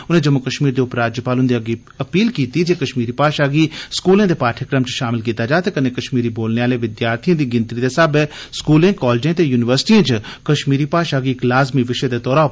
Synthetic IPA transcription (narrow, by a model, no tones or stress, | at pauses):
ʊnẽːd͡ʒəmʊkəʃmiːɾd̪eːʊpːɾaːd͡ʒjəpaːlʊnd̪eəɡi | əpiːlkiːt̪id͡ʒeːkəʃmiːɾiːpaːʃaːɡiːskuːlẽːd̪eːpaːʈʰjəkɾəmt͡ʃʃaːmɪlkiːt̪aːd͡ʒaːt̪eːkənẽːkəʃmiːɾiboːlneaːleːʋɪd̪jaːɾt̪ʰijãːd̪iːɡɪ̃nt̪ɾid̪esəbɛskuːlẽːkɔːld͡ʒẽːt̪eːjuːnɪʋəɾsɪ̥ʈiãːt͡ʃkəʃmiːɾiːpaːʃaːɡiklaːzmiʋɪʃed̪eːt̪ɔːɾaː